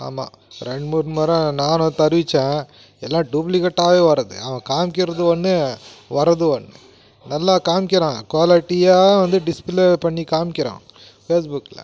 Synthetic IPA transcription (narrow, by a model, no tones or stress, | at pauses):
a̰ːma̰ː | ɾɛɳɖmuːɾnmɐɾɐ̃naːnõt̪ɐɾɯʋɪt͡ʃːẽː | ɛlːãːɖuːp̬lɪkɐʈːaːʋeːʋɐɾɐðɯ̰ɐʋɐ̃kaːmkɪɾɐðɯʋɐɳːɯʋɐɾɐðɯʋɐɳːɯ | nɐlːaːkaːmkɪɾãːkʋaːlɪʈːijaːʋɐnd̪ɯɖɪspɪlepɐɳːikaːmɪkːɪɾã̰ː | feːs̬bʊkːɪlɐ̰